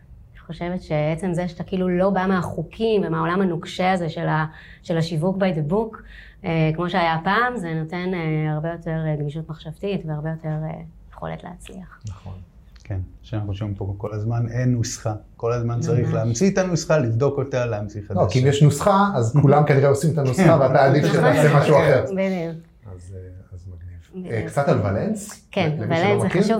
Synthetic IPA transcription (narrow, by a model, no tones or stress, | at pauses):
niχo̞ʃe̞vetʃe̞beet͡se̞mzeʃat̪akilulo̞bameaχukʰimvemao̞lamhanukʃeazeʃela | ʃelaʃivukbadbuk | ekmo̞ʃeajapaːmze̞no̞te̞neaʁbe̞jo̞te̞ʁɡniʃutmaχʃavtitveaʁbe̞jo̞te̞ʁḛjeχo̞̰lḛtleat͡slḭaχnɐχon | kʰenʃeanaχuuʃvimpoko̞lazmanenːusχako̞lazmant͡saʁiχleamt͡sit̪anusχalivd̪o̞kotaleamt͡siχetokiimjeʃnusχaazkulamkaniʁeosimet̪anusaveataːdifʃetasemaʃuaχeʁbidiuk | azazmaɡniv̥bkt͡sat̪alvalenskenlemvalenzekiʃuv